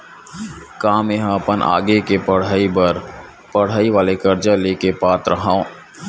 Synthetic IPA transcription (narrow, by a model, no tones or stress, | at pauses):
kaːmeɦãɐpənʔa̰ːɡekepəɽaibəɾ | pəɽ̤aːiʋaːlekɐɾd͡ʒaleːkepaːt̪ɾɐɦãːõː